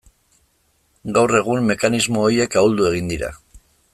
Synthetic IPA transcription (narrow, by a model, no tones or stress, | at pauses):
ɡawre̞ɣ̞umːe̞kanizmo̞ːie̞kauld̪ue̞ɣ̞ind̪iɾa̰